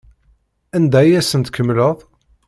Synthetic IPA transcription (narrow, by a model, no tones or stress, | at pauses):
ænd̪æjæsənt̪kʰəmːləðˤ